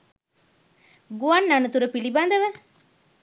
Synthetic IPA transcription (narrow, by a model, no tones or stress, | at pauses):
ɡuɐnːanut̪uɾəpilibaːnd̪ɐʋæ